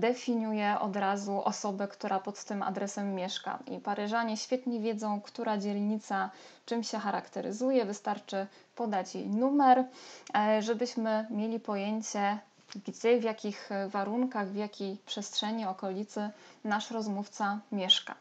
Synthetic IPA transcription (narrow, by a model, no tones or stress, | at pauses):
d̪ɛfʲiɲujɛʔɔ̰d̪ɾazuʔɔsɔbɛkt̪uɾʔapɔt̪ːɘma̰d̪ɾɛsɛmːʲjɛʂka̰ḭpaɾɘʐaɲɛɕfʲjɛt̪ɲɛvʲjɛd̪zɔ̃w̃kt̪uɾʔad͡ʑɛlɲit̪sat͡ʂɘmɕɛxaɾa̰kt̪ɛɾɘ̰zujɛvɘst̪aɾt͡ʂɘ | pɔd̪at͡ɕjḛjnumɛɾ | ʐɛbɘɕmɘmʲjelʲipɔjeɲt͡ɕɛ | ɡd͡ʑɛvʲjakʲixvaɾuŋkaɣvʲjakʲejpʂɛstʂɛɲiɔkɔlʲit̪sɘnaʂɾɔzmuft̪samʲjɛʂka̰